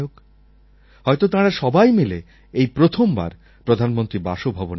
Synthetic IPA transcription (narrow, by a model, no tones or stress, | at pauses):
ok | ɦɔjt̪ot̪ãɾaʃɔbajmile | ejpɾot̪ʰomba̰ɾ | pɾod̪ʱanmont̪ɾibaʃobʱabon